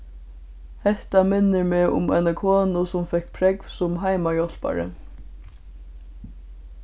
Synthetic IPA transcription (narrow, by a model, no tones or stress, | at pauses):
hɛht̪amɪnːɪɹmɛʊ̰mɛjnakʰoːnʊsʊmfɛhkpʰɾɛkv̥sʊmɦajmajɔl̥pa̰ɹɪ̰